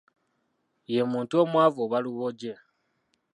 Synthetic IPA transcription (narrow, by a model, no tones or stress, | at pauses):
jemuːntuomwaːvoβaluβoɟe